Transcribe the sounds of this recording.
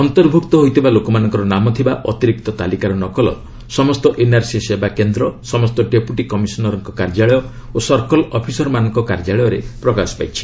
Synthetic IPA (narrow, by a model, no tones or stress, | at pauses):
ɔnt̪ɔɾbʱukt̪ɔɦojt̪ʰibalokɔmanɔŋkɔɾɔnamɔt̪ʰibaʔɔt̪iɾik̚t̪ɔt̪alikaɾɔnɔkɔlɔ̰ | sɔmɔst̪ɔʔenaɾsisebakend̪ɾɔsɔmɔst̪ɔɖepuʈikɔmisɔnɔɾɔŋkɔkaɾd͡ʒaɭɔjɔ | osɔɾkɔlɔpʰisɔɾmanɔŋkɔkaɾd͡ʒaɭɔjɔɾepɾɔkasɔ̥pa̰jt͡ʃʰi̥